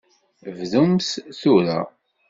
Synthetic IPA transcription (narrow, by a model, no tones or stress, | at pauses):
vðumsθuɾa̰